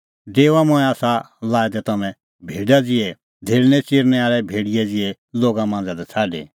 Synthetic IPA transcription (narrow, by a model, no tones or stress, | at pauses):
deːʋamʊ̃ɛ̃aːsa | laːɛd̪ɛt̪ɐmɛ̃ | bʱeːɖad͡zɪɛ | d̪ʱeːɾnɛt͡sɪːɾnɛaːɾɛbʱeːɽɪjɛd͡zɪɛ | loːɡamãːnd͡zad̪ɛt͡sʰaːɖḛ